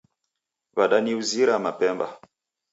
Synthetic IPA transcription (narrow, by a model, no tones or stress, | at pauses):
βaɗaniuziɾamapɛmba̰